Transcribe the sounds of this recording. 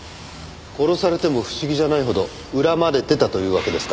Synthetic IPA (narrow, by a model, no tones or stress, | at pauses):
ko̞ɾo̞saɾe̞t̪e̞mo̞ɸɯ̟̥ɕiɡʲiʑanaiɦo̞d̪o̞ | ɯ̟ɾamad̪e̞t̪e̞t̪at̪o̞jɯ̟ːβake̞d̪e̞sɨ̥ka